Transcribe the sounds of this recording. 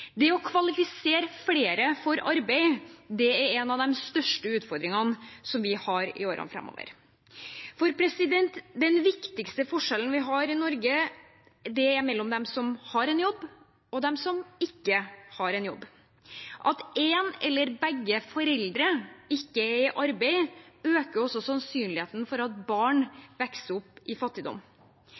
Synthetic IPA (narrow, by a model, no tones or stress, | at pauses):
d̪ɛɔkʰʋɑlɪfɪseːɾəfleːɾəfɔɾɑɾbæɪd̪ɛæɾɛnɑʋd̪ɛmst̪œʂʈəʉːt̪fɔɾd̪ɾɪŋənsɔmʋɪhɑɾɪ̰oːɾə̰nfɾɛ̰mo̰ʋə̰ɾ | fɔɾpʰɾɛsɪd̪ɛnt̪d̪ɛnʋɪkt̪ɪkst̪əfɔʂɛlən̩ʋɪɦɑɾɪnɔɾɡə | d̪ɛɛɾmɛlːɔmd̪ɛmsɔmhɑɾɛnjɔbː | ɔd̪ɛmsɔmɪkːəhɑɾɛnjɔbː | ʔɑt̪eːnɛ̰lːəɾbɛɡːəfɔɾɛld̪ɾəɪkːəɛɾɪʔɑɾbɛɪøːkəɾɔsːɔsɑnsyːnlɪheːt̪ən̩fɔɾɑt̪̚bɑːɳʋɛksəɔpːɪfɑt̪ːɪd̪ɔ̰m